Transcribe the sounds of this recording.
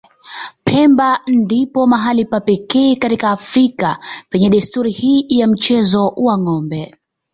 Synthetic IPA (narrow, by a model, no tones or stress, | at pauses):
pʰɛmbandipɔmaɦalipapɛkɛːkatikaːfɾikapɛɲɛɗistuɾihiːjam̩t͡ʃɛzɔwaŋɔmbɛ